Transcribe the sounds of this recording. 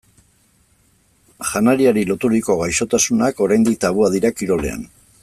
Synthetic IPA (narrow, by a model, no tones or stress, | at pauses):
ʝanaɾiaɾilo̞t̪uɾiko̞ɣajʃo̞t̪asunako̞ɾajnd̪ik̚t̪aβuaðiɾakiɾo̞le̞̰a̰n